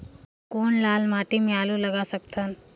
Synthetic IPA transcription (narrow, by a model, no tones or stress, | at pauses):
koɳlalmaʈiːmjaluləɡasəkt̪ʰən